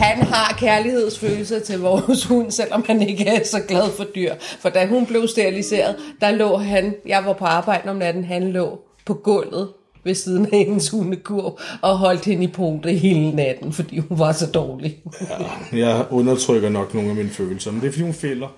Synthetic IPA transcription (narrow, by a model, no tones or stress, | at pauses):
hænɦɑ̈kʰæɐlihe̝ð̰ˠsføːl̩s̬ɐt͡sʰe̝lʋɒːshunsel̰ɒ̽mhæne̝ɡ̥əæsɒ̽ɡ̥lɛð̞ˠfɒ̽d̥yɐ̰fɒ̽d̥æɦunb̥le̝ʊsd̥iʁilise̝̰ːɐðˠd̥ɑ̈lɔ̰̽ːɦænjɑ̈ɪʋɑ̈pʰɒ̽ɑ̈ːb̥ɑ̈ɪ̰d̥əɒ̽mnæd̥n̩ɦænlɔ̰ː | pʰɒ̽ɡ̥ɔn̰ð̞̩ˠ | ʋe̝siːð̞ˠn̩æennshunəkʰuɐ̰b̥ɒ̽ɦɒ̽l̰d̥he̝nəipʰod̥əiɦe̝ːlənæd̥n̩fɒ̽d̥ḭːhunʋɑ̈sɒ̽d̥ɒːli | jɑɪɔ̽nɐt͡sʰʁœɡ̥ɐnɒ̽ɡ̥no̝ːn̩æminføːl̩sɐmend̥efd̥iːhunfel̰ɐ